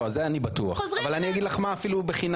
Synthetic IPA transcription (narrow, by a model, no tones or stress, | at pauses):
zeanibat̪ua̰χzavalanijaɡid̪laχmaːfilubeχin